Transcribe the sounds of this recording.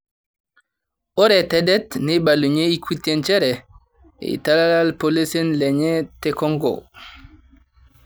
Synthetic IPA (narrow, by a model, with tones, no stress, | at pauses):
o˦ɾɛ˨tɛ˨dɛ˦tni˦ba˨lu˨ɲe˦i˦kʰu˦te˦nt͡ʃɛ˦ɾɛ̰˨ | ḭ˨ta˦la˦la˦lpo˦le˦se˦nle˨ɲɛ˦te˦kɔ˦ŋɡɔ̰˨